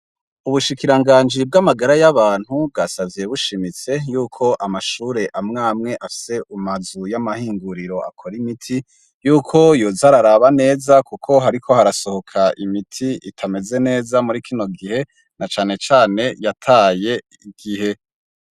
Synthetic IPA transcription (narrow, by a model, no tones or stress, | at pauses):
uβuʃikiɾaŋɡaːnd͡ʒib̚ɡamaɡaɾajaβaːn̥hub̚ɡaːsavje̞βuʃimit͡se̞juːkʰo̞ʔamaʃuːɾe̞ʔamŋaːmŋe̞ʔafi̥se̞ʔumazujamahiːŋɡuɾiɾo̞ʔa̰kʰo̞ɾimitʰi | juːkʰo̞jozaɾaɾaβane̞ːzakukʰo̞ɦaɾikʰo̞haɾaso̞ho̞kʰaʔimitʰiitʰame̞ze̞ne̞ːzamuɾikʰino̞ɡihe̞ | nat͡ʃaːne̞t͡ʃaːne̞jatʰaːje̞ | iɡ̥ihe̞